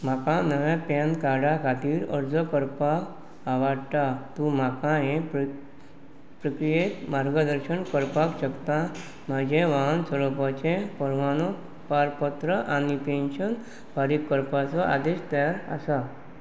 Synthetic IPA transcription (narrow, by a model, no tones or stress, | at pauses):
m̤akãnəʋapankaɽakʰat̪iːɾə̰ɾd͡zɔkəɾpak | aʋaɽt̪at̪ũmakãɦẽp | pɾəkɾijet̪maɾɡəd̪əɾɕənkəɾpakɕəkt̪a | m̤ad͡ʑẽʋansəɾɔpɔt͡ɕẽpəɾʋanuk | paɾpət̪ɾəʔanipenɕən | bʱaɾikːəɾpat͡sɔa̰d̪eɕt̪aɾa̰sa